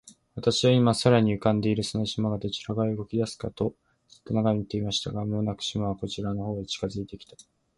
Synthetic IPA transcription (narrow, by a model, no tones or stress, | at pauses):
βat̪aɕiβaimasaɾaɲ̟iɯ̟kãnd̪e̞iɾɯ̟sonoɕimaɡat̪et͡ɕi̥ɾaɡaɯ̟ɡo̞kʲid̪asɨ̥ka̰t̪o̞ | ɨ̥t̪ːonaɡamit̪e̞imaɕi̥t̪aɡamo̞ːnakɯ̟̥ɕimaβako̞t͡ɕiɾano̞ho̞ːd̪et͡ɕi̥kazɨit̪e̞kʲi̥t̪ḁ